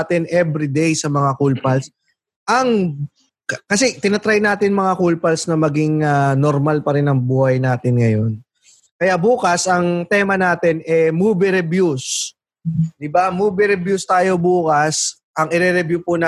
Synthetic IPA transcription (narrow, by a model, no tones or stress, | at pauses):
t̪ɪnʔɛbɾid̪ejsɐmɐŋakulpɐls | ʔɐŋ | kkɐsɛt̪ɪnɐt̪ɾajnaːt̪ɪnmɐŋakulpɐlsnɐmɐɡiŋanoɾmalpɐɾɛnɐŋbuːhɐjnaːt̪ɪnŋɐjo̞n | kɐjaʔbuːkɐsɐŋt̪ɛmɐnaːt̪ɪnɛmubɪɾɛbjus | d̪ɪbamuːbɪɾɛbjust̪aːjo̞buːkɐs | ʔɐŋɪɾɛɾɛbjupʊnɐ